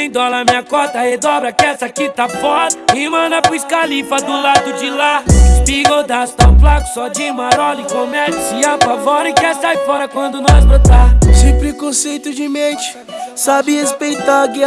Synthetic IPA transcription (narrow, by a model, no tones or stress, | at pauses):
ẽj̃d̪ɔlɐmĩɲɐkɔt̪ɐhed̪ɔbɾɐkɛsakit̪afɔd̪ɐimɐ̃nɐpuskalifɐd̪ʊlad̪ʊd͡ʒɪlaspiɡod̪ast̪ɐ̃flakʊ̥sɔd͡ʒimaɾɔlikõmɛd͡ʒsiapavɔɾẽkɛsajfɔɾɐkwɐ̃nd̪ʊnɔ̃zbɾot̪azɪpɾekõsejt̪ʊd͡ʒɪmẽt͡ʃɪ̥ | sabɪhespejt̪aɡi